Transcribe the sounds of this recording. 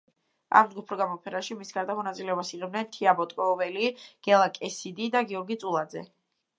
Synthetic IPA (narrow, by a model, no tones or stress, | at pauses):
a̰md̪ɡupʰɾɔɡamɔpʰɛnaʃimisɡaɾd̪amɔnat̪sʼilɛɔbasiʁɛbnɛnt̪ʰiabɔt̪ʼkʼɔvɛliɡ̥ɛlˠakʼɛsid̪id̪aɡiɔɾɡit̪sʼulˠad̪zɛ̰